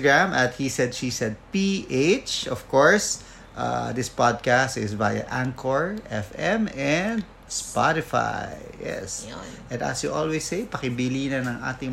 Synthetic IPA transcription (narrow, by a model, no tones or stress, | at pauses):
ɡɹamɐt̪̚hisɛd̪ʃisɛd̪̚piʔejt͡ʃɔfkɔɹs | ʔa̰d̪ɪspad̪̚kast̪ɪsbajɐ̰ʔaŋkʰɔɹʔɛfɛmɛnd̪̚ | spaɾɪfa̰jjɛ̰sʔɛ̃nd̪ɐ̰sjuʔɔlwɛjsːejpɐkɪbiliːnɐnɐŋʔa̰ːt̪ɪŋ